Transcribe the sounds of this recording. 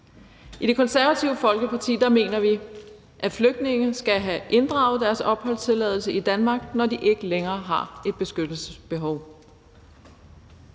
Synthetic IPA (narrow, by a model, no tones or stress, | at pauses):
iɾ̥e̝kʰɒ̽nsæɐʋæt͡sʰiʊəfɒ̽lɡ̥əpʰɑ̈t͡sʰḭːd̥ɑ̈me̝̰ːnɐʋi | ʔæfløɡ̥d̥ne̝ŋ̩sɡ̥æɦæʔe̝nd̥ʁɑ̈ʊð̩ˠd̥æɐsɒ̽b̥hɒ̽l̰t͡sʰe̝lɛːðˠl̩səid̥ænmɑ̈ːɡ̥nɒd̥iʔe̝ɡ̥əleŋɐːɦɑ̈e̝d̥̚b̥e̝sɡ̥ød̥l̩sə̥sb̥e̝ɦɒʊ